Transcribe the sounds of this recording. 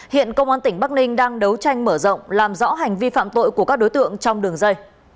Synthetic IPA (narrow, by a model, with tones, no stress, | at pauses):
hḭ˧˨ənkə˧wŋ͡mʔaː˨˦nt̪ï˧˩ŋ̟ɓa˦˥k̚nï˧ŋ̟ɗaː˧ŋɗə˨˦wt͡ɕa˧jŋ̟məː˧˩zə̰˧˨wŋ͡mlaː˨˩mzɔ̰˧˥ɦa˨˩jŋ̟vi˧fa̰ː˧˨mt̪o̰˧˨jku˩əkaː˦˥k̚ɗo˨˦jt̪ɨ̰˧˨əŋt͡ɕɔ˧wŋ͡mɗɨ˨˩əŋzə˧j